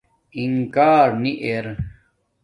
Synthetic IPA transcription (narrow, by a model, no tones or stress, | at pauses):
iŋkaːɾniʔeɾ